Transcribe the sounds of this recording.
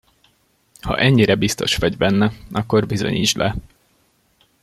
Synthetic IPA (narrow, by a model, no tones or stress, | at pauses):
hɒ̰ʔɛɲːiɾɛbist̪o̞ʃʋɒɟbɛnːɛʔɒkːo̞rbizo̞̰ɲḭd͡ʒlɛ